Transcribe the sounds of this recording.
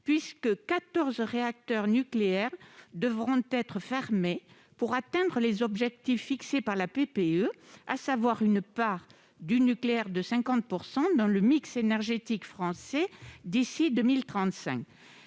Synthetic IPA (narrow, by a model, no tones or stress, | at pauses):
pɥiskəkat̪ɔʁzʁeak̚t̪œʁnykleɛʁd̪əvʁɔ̃t̪ɛt̪χəfɛʁme | puʁat̪ɛ̃d̪ʁəlezɔbʒɛk̚t̪ifːiksepaʁlapepeøa̰savwaʁynpaʁ | d̪ynykleɛʁd̪əsɛ̃kɑ̃t̪̚puʁsɑ̃d̪ɔ̃ləmiksenɛʁʒet̪ikfχɑ̃sɛd̪isid̪əmilt̪χɑ̃t̪sɛ̰̃k